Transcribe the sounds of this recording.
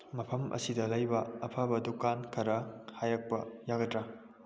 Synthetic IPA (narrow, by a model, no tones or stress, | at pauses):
mɐpʰɐmʔɐ̰sidɐlɐjbɐɐpʰɐbɐdukankʰɐɾɐhajɐk̚pɐjaɡɐtɾɐ